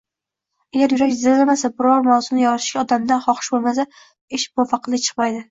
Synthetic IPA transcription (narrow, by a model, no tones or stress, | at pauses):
aɡʲaɾjʊɾakʲzɪlamasabɪɾɒɾmawzɪnɪjɒɾt̪ʰɪ̥ʃkʲaɒd̪amd̪anχɒqɨ̥ʃbolˠmas̬a | eʃbofɑqʰɨlˠɪt͡ʃʰɨ̥qmajd̪ɪ